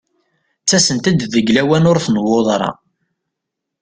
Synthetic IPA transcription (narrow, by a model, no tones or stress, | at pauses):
t͡sːæsənt̪æd̪ðəɡlæwænʊɾθnəwːoðˤɾˤɑ̰